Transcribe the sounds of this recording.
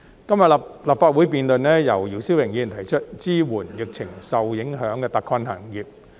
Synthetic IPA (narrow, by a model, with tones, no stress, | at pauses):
kɐ˥mjɐ˨tplaː˨p̚faː˧t̚wuː˨˥jpiː˨˧nt̪ɵ˧nnɛː˥jɐ˨˩wjiː˨˩wsi˥wjɪ˨˩ŋjiː˨˧˩nt̪ʰɐ˨˩jt͡ʃʰɵ˥t̚t͡siː˥wuː˨˩njɪ˨˩k̚t͡sʰɪ˨˩ŋsɐ˨wjɪ˨˥ŋɦœː˨˥ŋkɛː˧t̪ɐ˨kʰɔː˧nha̰ː˨˩ŋjyː˨˩p̚